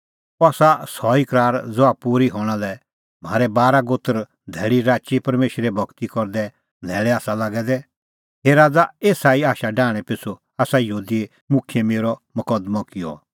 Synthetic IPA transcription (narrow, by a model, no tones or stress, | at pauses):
ɔaːsasɔikɾaːɾd͡zoapuːɾiɦɔːɽ̃alɛ | m̤a̰ːɾɛbaːɾaɡot̪əɾ | d̪ʱɛːɭiɾaːt͡ʃipɐɾmeːʃɾɛbʱɐkt̪ikɔɾd̪ɛ | d̪ʱɛːɭɛaːsalaːɡɛd̪ɛ | ɦeɾaːd͡zaeːsaːiaːʃaɖãːɽ̃ɛ̃pɪsu | aːsajɦuːd̪ie | mʊkʰjemeːɾɔmɐkəd̪mɔkɪjɔ̰